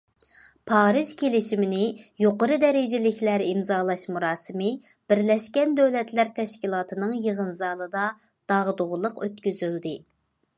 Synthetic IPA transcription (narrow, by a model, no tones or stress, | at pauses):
pʰɑːɾɨʒkʲʰelɪʃimɪnɪjoqəɾɨd̪ɛɾɪd͡ʒɪlɪkʲʰlæɾimzɑːlˠɑʃmuɾɑːsɨmɨ | b̥ɪɾlɛʃkʲɛnd̪øwlɛt̪ʰlæɾt̪ʰɛʃkʲilˠɑːt̪ʰɨnɨŋjəʁənzɑːlˠɨd̪ɑ | d̪̥ɑʁd̪oʁʊlˠəqʰøt̪kʲyzyld̪ɪ